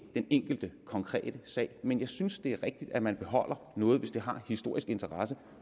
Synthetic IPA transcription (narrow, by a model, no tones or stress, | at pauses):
d̥eneŋ̰ɡ̥l̩d̥əkʰɒ̽ŋkʰʁɛ̰ːd̥əsɛ̰ɪmenjɑ̈ɪsynsd̥e̝æɐʁeɡ̥̚d̥id̥æmænb̥e̝ɦɒ̽l̰ɐ | nɔ̽ːð̞̩ˠʋe̝sd̥e̝ɦɑ̈hisd̥o̝ɐ̰isɡ̥e̝nt͡sʰɐʁɑ̈sə